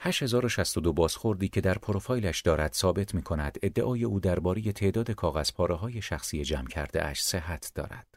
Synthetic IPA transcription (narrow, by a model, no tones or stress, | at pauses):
hæʃhe̞zɒːɾo̞ʃæst̪od̪o̞bɒːzxo̞ɾd̪iːcʰe̞d̪æɾpʰo̞ɾofɒːjlæʃd̪ɒːɾæd̪̥sɒːbe̞t̪ʰmiːkʰo̞næd̪̥e̞d̪ːeʔɒːjeuːd̪æɾbɒːɾe̞je̞t̪ʰe̞ʔd̪ɒːd̪e̞kʰɒːɣæz̥pʰɒːɾeɦɒːje̞ʃæxsiːje̞d͡ʒæmcʰæɾd̪eʔæ̰ʃseɦæt̪ʰd̪̥ɒ̰ːɾæ̰d̪̥